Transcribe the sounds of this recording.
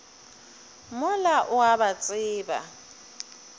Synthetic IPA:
mʊlaʔʊabat͡sʼɪːba̰

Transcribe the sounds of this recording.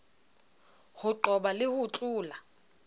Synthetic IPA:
hʊǃʱɔɓalɪhut͡ɬʼuːla

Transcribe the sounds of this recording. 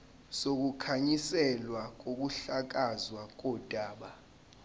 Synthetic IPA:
sok̬ukʰaɲisɛlwak̬ok̬uɬak̬azwak̬ɔd̥ʼʱaːɓa

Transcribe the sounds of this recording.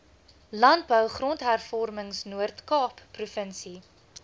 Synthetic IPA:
lɐnt̚bœwχrɔntɦærfɔrməŋsnuərtkɑːpːrufənsi

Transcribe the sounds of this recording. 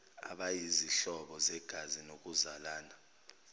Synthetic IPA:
a̰ɓajiziɬɔɓɔzɛɡ̥ʱazinok̬uzalaːna

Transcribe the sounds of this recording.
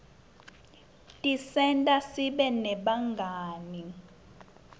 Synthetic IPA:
tʼisɛntʼasiɓɛnɛɓaŋɡʱaːni

